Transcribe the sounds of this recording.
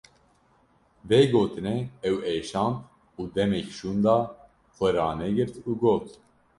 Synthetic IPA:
veːɡoːt̪ɨnɛɛweːʃɑːnt̪ | uːd̪ɛmɛkʃuːnd̪ɑː | xʷɛɾɑːnɛɡɨɾt̪uːɡoːt̪

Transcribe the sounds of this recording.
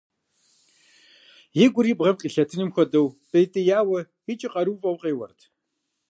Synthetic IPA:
jeɡʷʊɾiːbʁɐmqʲʼiɬɐtʰɨnɨmxʷɔdɐwpʼejtʼɐjaːwɐ | xit͡ʃʼiqʼɐɾuːvʼɐwqʼeːwɐ̰rtʰ

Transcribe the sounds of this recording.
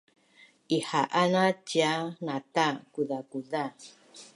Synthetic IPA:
ihaʔanãt͡ʃianãt̪akuðakuda

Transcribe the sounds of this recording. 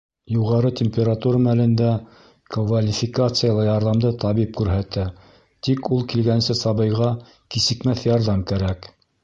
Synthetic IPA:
juʁɑɾɤt̪ʲemʲpʲeɾat̪uɾəmælɘ̆nd̪æ | kvalʲifʲɪkat̪sɨjalˠɑjɑɾðɑmd̪ɤt̪ɑβip̚kʉɾɦæt̪æ | t̪ikulˠkilɡænsɘsɑβɤ̆jʁɑ | kisɘ̆kmæθjɑɾðɑmkæɾæk

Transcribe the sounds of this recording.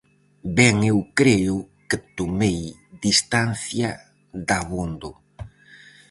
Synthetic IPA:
bɛŋewkɾeʊ | kɪt̪omej | d̪ist̪anθja | ðaβond̪ʊ

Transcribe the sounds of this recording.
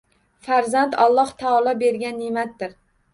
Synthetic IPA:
faɾzant̪ʰɒlˠːɒht̪ʰaɒlˠɒbe̞ɾɡʲanːimat̪̚ːɪɾ

